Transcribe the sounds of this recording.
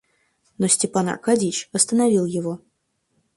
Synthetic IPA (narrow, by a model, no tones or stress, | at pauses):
nosʲtʲɪpana̰rkadʲit͡ɕɐst̪ənavʲilˠjɪvo